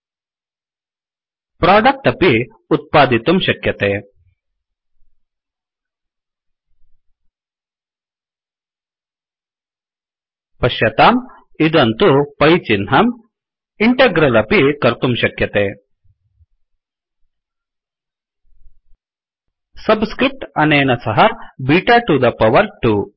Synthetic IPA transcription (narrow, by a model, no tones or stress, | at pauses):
pɾaːɖɐk̚ʈ̪ɐpi | ut̪̚paːd̪it̪umɕɐkjɐt̪eː | pɐɕjɐt̪aːm | id̪ɐnt̪upɐjt͡ɕinɦam | iɳʈɐɡɾɐlɐpikɐɾt̪umɕɐkjɐt̪e | sɐbskɾip̚ʈɐnenɐsɐɦɐbiːʈaʈud̪ɐpɐʋɐɾʈu